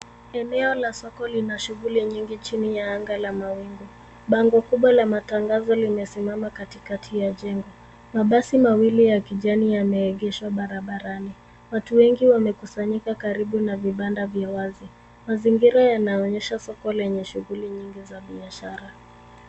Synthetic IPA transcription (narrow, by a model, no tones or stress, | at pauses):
ɛnɛɔlasɔkɔlinaʃuɣuliɲiŋɡit͡ʃinijaaŋɡalamawiŋɡu | ɓaŋɡɔkuɓwalamataŋɡazɔlimɛsimamakatikatʰijaʄɛŋɡɔ | maɓasimawilijakiʄanijamɛːɠɛʃwaɓaɾaɓaɾani | watuwɛŋɡiwamɛkusaɲikakaɾiɓunaviɓandavjawazi | maziŋɡiɾajanaɔɲɛʃasɔkɔlɛɲɛʃuɣuliɲiŋɡizaɓiaʃaɾa